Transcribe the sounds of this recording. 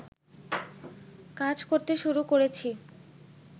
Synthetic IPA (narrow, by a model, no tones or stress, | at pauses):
kad͡ʑkoɾt̪eʃuɾukoɾet͡ɕʰi